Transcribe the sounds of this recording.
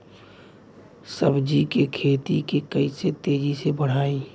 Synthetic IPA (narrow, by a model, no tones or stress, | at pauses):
səbd͡ʒikekʰeːt̪ikekəiset̪eːd͡ʒisebəɽ̤aːĩ